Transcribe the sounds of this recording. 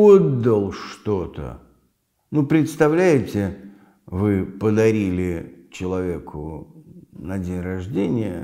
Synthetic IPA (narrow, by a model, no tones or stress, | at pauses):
od̪ːəlˠʂt̪ot̪ə̰ | nupɾʲɪt̪st̪ɐvlʲæjɪtʲɪ | vɨpəd̪ɐɾʲilʲɪt͡ɕɪlˠɐvʲekʰʊ̰ | nɐdʲenʲrɐʐdʲenʲɪjə̰